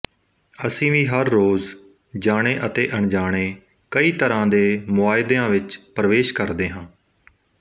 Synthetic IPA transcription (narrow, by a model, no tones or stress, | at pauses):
əsĩːʋĩːɦəɾːoːz | d͡ʒaːɽ̃eːʔət̪eːʔəɳd͡ʒaːɽ̃eː | kəiːt̪əɾãːd̪eːmʊaːɪd̪eãːʋɪt͡ʃpɾəʋeːʃkəɾd̪eːɦãː